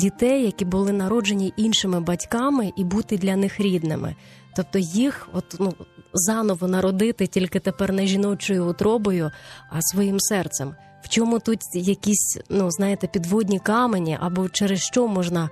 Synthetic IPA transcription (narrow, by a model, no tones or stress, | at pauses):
dʲit̪ɛjːɐkʲibʊlˠɪn̪ɐɾɔd͡ʒenʲiʔinʃɪmɪbɐtʲkɑmɪʔibut̪ɪd̪lʲɐnɪxɾʲid̪nɪ̰mɪ̰ | t̪ɔp̚t̪ɔjixɔt̪nuzɑnɔʋɔnɐɾɔd̪ɪt̪ɪtʲilʲkɪt̪epɛrnɛʒʲinɔt͡ʃɔjʊːt̪ɾɔbɔjʊɐsʋɔjimsɛrt̪sɛm | w̥t͡ʃɔmut̪ut̪jɐkʲisʲnuznɑjet̪ɛpʲid̪ʋɔdʲnʲikɑmenʲiʔɐ̰bɔt͡ʃɛɾɪsʃt͡ʃɔmɔʒnɐ